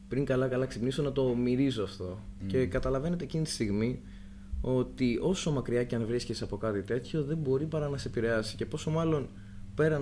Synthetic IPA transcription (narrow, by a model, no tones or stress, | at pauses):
pɾiŋkɐlɐkɐlɐksipnisonɐt̪o̞miɾizo̞ɐft̪o̞ | ce̞kɐt̪ɐlɐve̞ne̞t̪eːcinit̪i̥st̪iɣmi | o̞t̪iʔo̞so̞mɐkɾiɐceɐnvɾiscesɐpo̞kɐt̪it̪e̞t̪ço̞ðe̞mbo̞ɾipɐɾɐnɐseepiɾe̞ɐsi̥ce̞po̞so̞mɐlo̞n | pe̞ɾɐ